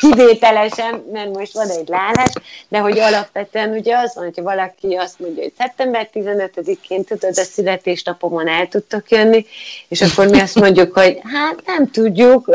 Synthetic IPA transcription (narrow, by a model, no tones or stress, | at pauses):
kiveːt̪ɛlɛʃɛnːɛrmo̞ʃt̪ʋɒnɛɟlaːlaːʃd̪ɛɦo̞ɟɒlɒpʋɛt̪øɛnuɟɛɒzɒnhocʰɒvɒlɒkiɒst̪mo̞ɲɟɒɦo̞̰csɛp̚t̪ɛmbɛrt̪izɛnøt̪ød̪ikeːnt̪ud̪o̞d̪ɒsylɛt̪eːʃnɒpo̞monɛlt̪ut̪ːo̞kjønːieːʃɒkːo̞rmiɒst̪mo̞ɲɟːukho̞ɟɦaːt̪nɛmt̪uɟːuk